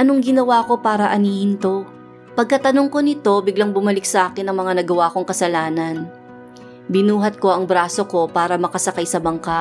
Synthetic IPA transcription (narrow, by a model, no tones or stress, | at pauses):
ʔɐnoŋɡɪnɐwako̞paːɾɐʔɐniːhɪnt̪o̞ | pɐɡ̚kɐt̪ɐno̞ŋko̞nɪt̪o̞bɪɡlɐŋbʊmɐlɪk̚sɐʔaːkɪnːɐŋmɐŋanɐɡɐwaːko̞ŋkɐsɐlaːnɐn | bɪnuːɦɐt̪̚ko̞ʔɐŋbɾaːso̞ko̞paːɾɐmɐkɐsɐkajsɐbɐŋka